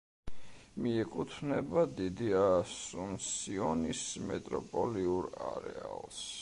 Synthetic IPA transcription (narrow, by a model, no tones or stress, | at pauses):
miɛkʼut̪ʰvnɛbad̪id̪iasunsiɔnismɛt̪ʼɾɔpʼɔliuɾaɾɛ̰alˠs